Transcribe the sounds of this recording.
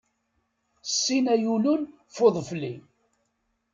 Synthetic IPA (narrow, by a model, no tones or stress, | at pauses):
sːinæjulʊn | foðˤfli